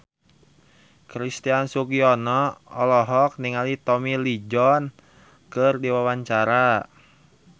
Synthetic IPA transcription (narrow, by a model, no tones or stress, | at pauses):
kɾist̪iansuɡiɔnɔɔlɔɦɔk̚niŋalit̪ɔmilid͡ʒɔn | kɨrdiwawaɲt͡ʃaɾa